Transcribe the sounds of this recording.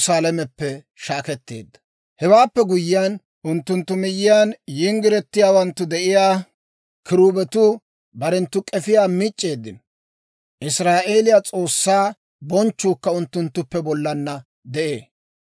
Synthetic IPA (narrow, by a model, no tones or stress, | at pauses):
saːlɛmɛpːɛ | ʃaːkɛt̪ːḛːd̪ːɐ̥ | hɛwaːpːɛɡʊjːɪjaːn | ʔʊnt̪ːʊnt̪ːʊmɪjːɪjanjɪŋɡɪɾɛt̪ːɪjaːwɐnt̪ːʊd̪ɛʔɪjaː | kɪɾuːbɛt̪u | bɐɾɛnt̪ːʊkʼɛfɪjaːmɪt͡ʃʼːe̞ːd̪ːɪn | ʔɪsɾaːʔe̞ːlɪjat͡sʼo̞ːsːaː | bɔnt͡ʃːuːkːɐʊnt̪ːʊnt̪ːʊpːɛbɔlːɐnːɐ | d̪ɛʔḛː